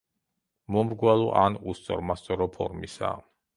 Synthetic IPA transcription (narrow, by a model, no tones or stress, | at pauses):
mumɾɡwalˠuʔanust̪sʼɔ̰ɾmast̪ʼɔɾɔpʰɔ̰ɾmisa̰